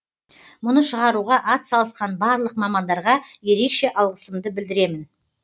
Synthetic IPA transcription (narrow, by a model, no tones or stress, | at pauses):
mʊnəʃəʁɑɾuʁɑʔɑt̪sɑlˠəsqɑnbɑɾlˠəq̚mɑmɑnd̪ɑɾʁɑje̞ɾe̞kʃe̞ʔɑlˠʁəsəmd̪əbɪld̪ɪɾe̞mɪn